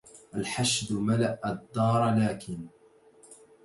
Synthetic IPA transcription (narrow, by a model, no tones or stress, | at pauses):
ʔalħaʃd̪malaʔad̪ːɑːɾˤlaːkʰɪn